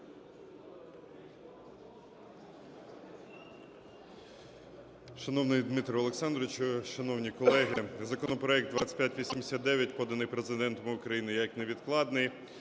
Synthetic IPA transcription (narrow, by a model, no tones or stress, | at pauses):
ʃɐnɔwnɪjd̪mɪt̪ɾɔːlˠeksɑnd̪ɾt͡ʃʊʃɐnɔwnʲikɔlˠɛɦɪzɐkɔnɔpɾɔɛk̚d̪ʋɑ̰t͡sʲɐ̥pʲjatʲʋʲisʲimd̪esʲat̪d̪ɛʋʲjɐt̚ʲpɔd̪ɐnɪjpɾezɪd̪ɛnt̪ɔmɪʊkɾɐjinɪjɐkneʋʲid̪klˠɑd̪nɪj